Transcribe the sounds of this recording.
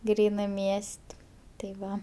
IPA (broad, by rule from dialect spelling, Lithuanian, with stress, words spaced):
ˈɡrʲiːnɜ ˈmʲiɛsʲtʲ tɐɪ ˈʋɐ